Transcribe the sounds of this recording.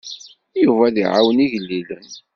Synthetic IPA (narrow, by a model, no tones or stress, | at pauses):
juvæðiʕawəniʝəlːilən